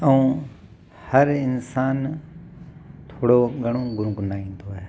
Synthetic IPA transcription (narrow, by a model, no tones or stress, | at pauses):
əũː | hɐɾɪnsaːn | t̪ʰoːɽoɠɐɽ̃õɡʊɾɡnaːĩːnd̪oɦɛː